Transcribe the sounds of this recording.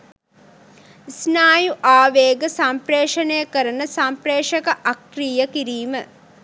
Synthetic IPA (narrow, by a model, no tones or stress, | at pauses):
isnaːjuʔaːʋeːɡəsampreːʂənejəkəɾənəsampɾeːʂɐkəʔakɾiːjəkiɾiːmə